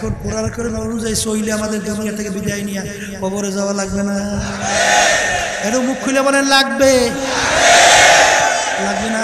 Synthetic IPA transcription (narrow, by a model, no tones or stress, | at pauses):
kʰunpɔɾaɾkʰɔɾimɔnuzajsoileamad̪eɹd̪unijat̪ʰekebid̪ajnija | kɔbɔɾezawalaɡbɛna | eɾɔmukʰːulamanɛlaɡ̚be | laɡ̚bena